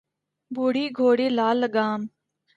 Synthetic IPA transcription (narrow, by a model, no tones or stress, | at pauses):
buɽiːɡʱoːɽeːlaːləɡaːm